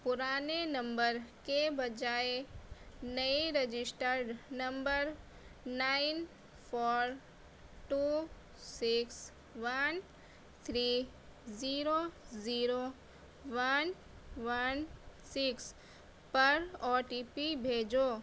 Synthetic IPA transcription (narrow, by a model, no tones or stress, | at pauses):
pʊɾaːnenɐ̃mbəɾkebɐd͡ʒaːe | nəiɾed͡ʒɪsʈəɾɖnɐ̃mbəɾ | naːɪn | pʰɔːɾ | ʈuː | sɪks | ʋən | t̪ʰɾiː | ziːɾoziːɾo | ʋən | ʋənsɪks | pɐɾɔːʈiːpibʱeːd͡ʒoː